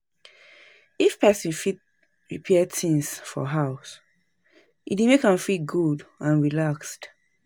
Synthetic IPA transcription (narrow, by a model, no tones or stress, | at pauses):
ifpʰɛsĩnfit̚ | ɹipʰɛɛdtĩŋsfɔ̰ɦaʊs | idimekãmfiɡudãnɹilakst